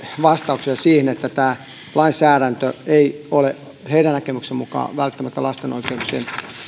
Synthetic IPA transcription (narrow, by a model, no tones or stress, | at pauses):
ʋɑst̪ɑuksiɑsiːhenet̪ːæt̪æː | lɑinsæːɾænt̪øeiole | heiɾænnækemyksemmukɑ̰ːʋælt̪ːæmæt̪ːælɑst̪eno̰ikeuksḛːm